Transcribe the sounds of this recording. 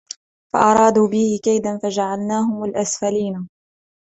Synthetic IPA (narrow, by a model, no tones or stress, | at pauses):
fa̰ʔɑɾˤɑːd̪uːbɪhɪkajd̪anfad͡ʒaʕalnaːhʊmalʔasfaliːna